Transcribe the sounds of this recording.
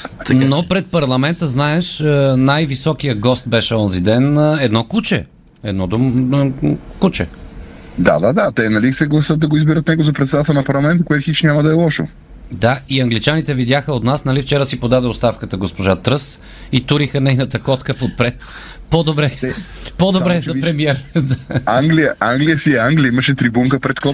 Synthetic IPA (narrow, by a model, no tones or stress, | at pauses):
t̪nopɾɛt̪̚pɐɾlˠɐmɛnt̪əznaɛʃənajvisɔk̟ijəɡɔst̪̚bɛʃɛɔzid̪ɛnɛd̪nɔkut͡ʃɛ | ɛd̪nɔd̪o | kut͡ʃɛ̰ | d̪a̰d̪ad̪at̪ɛnɐlisɛɡlˠɐsɤt̪̚d̪ɐɡoizbiɾət̪nɛɡozɐpɾɛt̪sɛd̪at̪ɛlˠnɐpɐɾlˠɐmɛnt̪əkʊɛt̪xit͡ʃnʲamɐd̪ɐɛlˠɔʃo | d̪aiɐŋɡlit͡ʃanit̪ɛvid̪ʲjaxəot̪nasnɐlift͡ʃɛɾəsipod̪ad̪ɛot̪st̪afkət̪əɡospoʒat̪ɾɤs | it̪uɾixənɛjnət̪əkɔt̪kəpot̪̚pɾɛt̪ | pod̪obɾɛɛpod̪obɾɛzɐpɾɛmiɛɾd̪aaŋɡlijəʔaŋɡliəsiɛaŋɡlʲiəiməʃɛt̪ɾibuŋkəpɾɛt̪kɔ